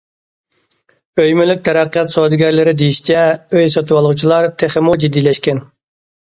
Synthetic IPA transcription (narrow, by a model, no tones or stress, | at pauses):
øjmylyk̚ʲt̪ʰɛɾɑqːijɑt̪sod̪ɪɡʲɛɾlɪɾɪd̪ejiʃi̥t͡ʃʰɛøjsɑt̪ʰuwɑlˠʁut͡ʃʰilˠɑɾt̪ʰeχɪmud͡ʒid̪ijlɛʃkʲɛn